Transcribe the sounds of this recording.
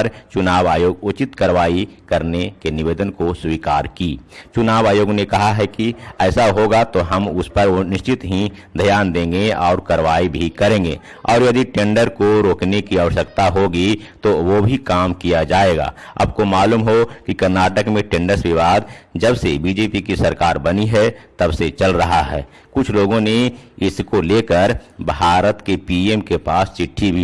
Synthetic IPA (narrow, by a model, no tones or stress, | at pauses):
ɾt͡ʃʊnaːʋaːjoːɡʊt͡ʃɪt̪kɐɾʋaːikɐɾnekenɪʋeːd̪ənkoswiːkaːɾkiːt͡ʃʊnaːʋaːjoːɡnekɐɦaɦɛkiɛːsaɦoːɡat̪oɦɐmʊspɐɾnɪʃt͡ʃɪt̪ɦid̪ʱəjaːnd̪ẽːŋɡeɔːɾkɐɾʋaːibʱikɐɾẽːŋɡḛː | ɔːɾjɐd̪iʈẽːɳɖəɾkoɾoːknekiəʋəʃəkt̪aɦoɡit̪oʋobʱikaːmkijad͡ʒaːeːɡa̰ːɐ̰b̚komaːluːmɦokikɐɾnaːʈəkmẽʈẽːɳɖəɾsʋɪʋaːd̪d͡ʒəbsebiːd͡ʒeːpikisəɾkaːɾbɐniɦɛt̪ɐbset͡ʃɐlɾɐɦaɦɛ̰ː | kʊt͡ʃʰloːɡõneɪskoleːkəɾbʱaːɾət̪kepiːeːmkepaːst͡ʃɪʈʰːibʱi